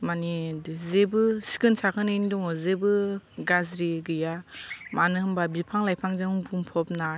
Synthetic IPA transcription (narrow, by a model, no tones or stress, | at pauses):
manizebɯsi̥kɯnsakʰɯnɯndɔŋɔzebɯɡazɾiɡɯjamanɯhɯmbabipʰaŋlajpʰaŋzeŋŋbuŋpʰɔp̚na